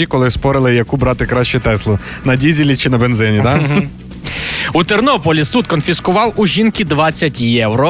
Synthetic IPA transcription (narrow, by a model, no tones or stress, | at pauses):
ikɔlˠɪspɔɾɪlˠɪjɐkubɾɑt̪ɪkɾɑʃt͡ʃɛt̪ɛslˠɔnɐdʲizʲilʲit͡ʃɪnɐbenzɪnʲid̪ɑ | ut̪ernɔpɔlʲisut̪kɔnfʲiskʊʋɑwuʒʲinkʲid̪ʋɑt͡sʲːɐtʲjɛwɾɔ